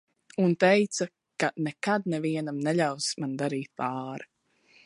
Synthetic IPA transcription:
unt̪ɛjt̪sa | kanɛkad̪̚nɛviɛnamnɛʎawsmand̪aɾiːt̪̚paːɾa

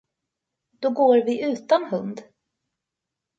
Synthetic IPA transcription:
d̪̥ɔɡoːɾvɪʔʉ̟ːt̪anhɵnd̪

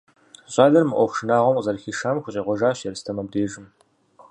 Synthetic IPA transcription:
ɕʼaːɮɐrmɨʔʷɔxʷʂɨnaːʁʷɔmqzɐrxiːʃaːmxʷʊɕʼeːʁʷɔʒaːɕɛɾɨstʰɐmɐb̚deːʒɪm

